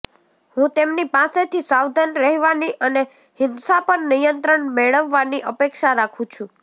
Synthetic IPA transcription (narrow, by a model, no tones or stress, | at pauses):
hũt̪emnipaset̪ʰisaʋd̪ʱənɾəɦʋaniʔəne | hɪnsapəɾnijənt̪ɾəɳmeɭəʋːaniʔəpekʃaɾakʰũt͡ʃʰũ